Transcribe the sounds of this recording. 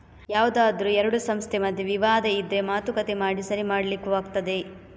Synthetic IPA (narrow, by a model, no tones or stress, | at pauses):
jaːʋud̪aːd̪ɾuɛɾɐɽusɐmst̪ʰemɐd̪ʱːjeʋiʋaːd̪ɐid̪ɾemaːt̪ukɐt̪emaːɽisɐɾimaːɽɐlikːuʋaːɡ̚t̪ɐd̪e̞